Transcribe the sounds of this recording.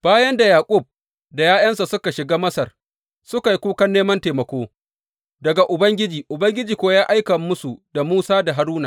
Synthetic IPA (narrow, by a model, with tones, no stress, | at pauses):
b̥aː˦jɐ˦nda˨jaː˨kʷʼʊ˦˨b̚ | da˨jaː˦jɐ˦nsa˨sʊ˦ka˨ʃɪ˨ɡaː˦mɐ˦sɐ˨r | sʊ˦ka˨ji˨˦kʷuː˦kɐ˦nːeː˦mɐ˦nteː˨mɐ˨kʷoː˦ | dɐ˨ɡa˨ʔʊ˨bɐ˦ŋɡʲɪ˦d͡ʒiː˨ʔʊ˨bɐ˦ŋɡʲɪ˦d͡ʒiː˨kʷoː˦jaː˦ʔa˦jkɐ˨mːʊ˦su˨da˨muː˦saː˦da˨ɦa˨ɾuː˦na˨